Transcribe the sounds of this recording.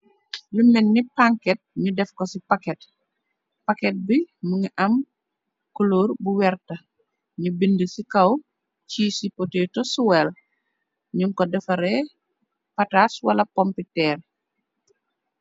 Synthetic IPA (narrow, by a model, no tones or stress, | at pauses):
lumɛnːipaŋkɛt̚ɲudɛfkɔsipakɛt | pakɛt̚bimuɲiʔɐm | kuloːrbuwɛrtɐ | ɲubindəsikɐw | ciːsipotetɔsuwɛl | ɲuŋkɔdɛfɐɾɛ | pɐtaswɐlɐpɔmpitɛːr